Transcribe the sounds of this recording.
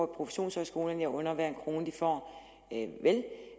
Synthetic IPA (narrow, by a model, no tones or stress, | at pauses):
pʰʁo̝fe̥ɕo̝̰ːnsɒ̽sɡ̥o̝ːlɐnɑʔɔ̽nɐʋæɐ̰enkʰʁo̝ːnəd̥ifɒ̰ː | ʋel